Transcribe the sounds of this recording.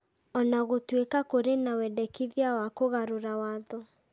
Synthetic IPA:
ɔnaɣotwekakoɾenawɛdɛkiðjawakoɣaɾoɾawaðɔ

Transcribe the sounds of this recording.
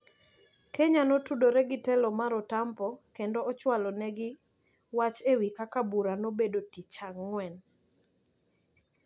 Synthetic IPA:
keɲanotudoɾɛɡɪtɛlɔmaɾɔtampɔkendoɔt͡ʃwalɔnɛɡɪ | wat͡ʃewikakabuɾanobedotit͡ʃaŋːwɛn

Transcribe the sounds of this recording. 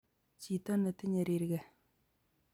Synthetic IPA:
t͡ɕit̪anət̪ʰəɲəɾerək̚

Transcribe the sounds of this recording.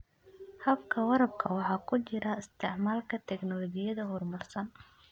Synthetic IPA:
hɐbkʰɐwɑɾɐbkʰɐwɑħɑːkʰʊt͡ʃɪɾɐɪst̪ʰɪʕmaːlkʰɐt̪ʰɛɡnɔlɔɡɪjɐðɐhʊrmʊrsɐn

